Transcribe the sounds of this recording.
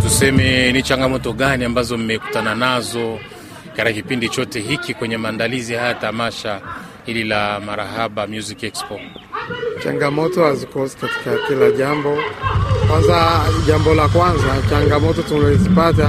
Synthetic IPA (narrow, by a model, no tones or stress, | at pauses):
tusɛmɛnit͡ʃaŋɡamɔtɔɠaniambazɔmimɛku̥tananazɔ | katkakipindit͡ʃɔtɛɦikikwɛɲɛmaːndalizihajatamaʃa | hililamaɾahaɓamjuzikɛkspɔ | t͡ʃa̰ŋɡamɔtɔhazikɔsi̥kati̥kakilaʄambɔkwanzaʄambɔlakwanzat͡ʃaŋɡamɔtɔtulɛzipata